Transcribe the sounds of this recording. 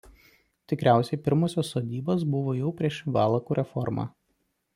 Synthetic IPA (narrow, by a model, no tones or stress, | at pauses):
t̪ʲɪkɾʲæˑʊsʲɛɪpʲɪɾmoːsʲoːsːoːd̪ʲiːbos̬bʊʋoːjɛʊpʲɾʲiɛʃʋɑːlˠɐkuːɾʲʔɛfɔɾmɑ̰ː